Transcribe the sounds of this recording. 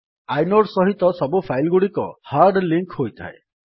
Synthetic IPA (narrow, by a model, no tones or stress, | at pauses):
ajnoɽsɔɦit̪ɔsɔbupʰajlɡuɽikɔ̰haɾɖliŋkɦojt̪ʰa̰ḛ